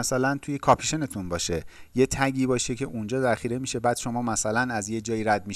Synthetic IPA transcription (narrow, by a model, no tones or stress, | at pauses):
æsælænt̪ʰuje̞kʰɒpʰiʃe̞ne̞t̪ʰunbɒːʃeje̞t̪ʰæɟiːbɒːʃecʰe̞ʔund͡ʒɒːzæɾxiːɾe̞miːʃe̞bæːd̪̥ʃo̞mɒːmæsælænæzjed͡ʒɒːjiːɾæd̪̚mi